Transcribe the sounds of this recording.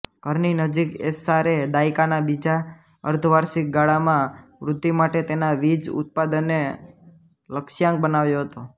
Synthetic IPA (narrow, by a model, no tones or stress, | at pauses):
kəɾninəd͡ʒikesaɾed̪aikanabid͡ʒa | ə̰ɾt̪ʰʋaɾsik̚ɡaɭamãʋɾʊd̪ːimaʈet̪enaʋid͡ʒʊ̰t̪̚pad̪ənːe | ləkʃjãŋk̚bənaʋjoɦət̪o